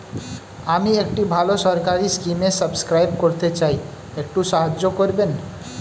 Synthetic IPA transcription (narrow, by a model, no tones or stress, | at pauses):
amiekʈibʱaloʃɔɾkaɾiskimesəbskɾajbkoɾt̪et͡ɕaj | ek̚ʈuʃaɦad͡ʑːokoɾben